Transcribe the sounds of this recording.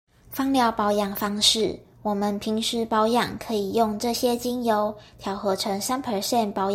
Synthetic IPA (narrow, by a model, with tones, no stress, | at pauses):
fɑ˥ŋljɑ˥˩ʊpɑ˧˥ʊjɑ˨˩ŋfɑ˥ŋʂɻ̩˥˩ | wɔ˨˩mə˨˦npʰi˧˥ŋʂɻ̩˧˥˩pɑ˧˥ʊjɑ̰˨˩ŋkʰɤ˧˦˥i˨˩jo˥˧ŋʈ͡ʂɤ˥˨ɕjɛ˥t͡ɕi˥njo˧˥ʊt̪ʰjɑ˧˥ʊxɤ˧˥ʈ͡ʂʰɤ˧˥ŋsa˥npʰə˨˥ɕjɛ˥˨npɑ˧˥ʊ˨